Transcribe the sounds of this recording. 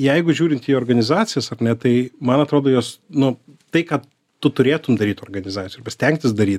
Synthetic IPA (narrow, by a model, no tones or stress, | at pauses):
jɛɪɡʊʒʲuːɾʲɪnt̪iːoːrɡɐnʲɪzɑːt̪t͡sʲɪjɛsɐrnʲɛt̪ɐɪmɐnɐt̪ɾoːd̪oːjoːsnʊt̪ɐɪkɑː | t̪ʊt̪ʊɾʲeːt̪ʊmd̪ɐɾʲiːt̪oːrɡɐnʲɪzɑːt͡sʲsʲjːɐrbɐsʲt̪ʲɛŋʲk̚t̪ʲɪsd̪ɐɾʲiːt̪